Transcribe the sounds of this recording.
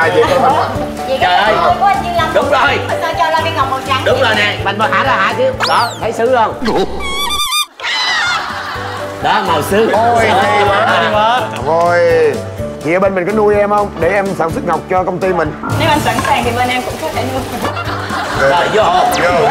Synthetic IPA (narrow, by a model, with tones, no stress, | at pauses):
aː˧˩jvi˨˦ɓzi˨˩kaː˨˩ə˨˩jɔ˧˦jkɔ˨˦ʔ̚ɲɨ˧ŋla˧mɗʊ˨˦wŋ͡mzo˨˩jə˧˩t͡ɕɔ˧laː˨˩ɓi˦˥k̚ha˨˩wk͡p̚ho˨˩t̚ɲaː˧˦ɗʊ˨˦ŋ͡mzoː˨˩jnɛ̰˧˨ma̰˨˩ŋɓəː˨˩haː˧˥laː˨˩haː˧˨jkɨ˧əɗɔ˨˦t̪ʰə˨˦jsɨ˧˦hə˧wŋ͡m | ɗɔ˨˦ma˨˩wsɨ˨˦o˨˩ja˨˩vəː˧˩˨vo˨˩j | t̪ʰi˨əː˨˦ɓe˧nmï˨˩kɔ˨˦nu˧əjʔɛ˧mhə˧wŋ͡mɗe˨˧˩ʔɛ˧msaː˧˩nswɨ˦˥t̚ŋa˨˩wk͡p̚t͡ɕɔ˧kə˧wŋ͡mt̪i˧mï˨˩ŋ̟ne˨˦wmː˨˧˨sa̰˧˥nsaː˨˩ŋt̪i˨˩ɓe˧˩nʔɛ˧mkʊ̰˧˥ŋ͡msa˦˥t̪ʰe˧˩nu˧j | ləː˨˩jzɔ˧˨˦